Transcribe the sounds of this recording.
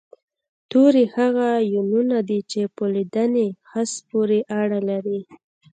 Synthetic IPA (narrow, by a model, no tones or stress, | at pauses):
t̪oɾehaɣajununad̪it͡ʃepəlid̪anexaspoɾeʔaɽalaɾi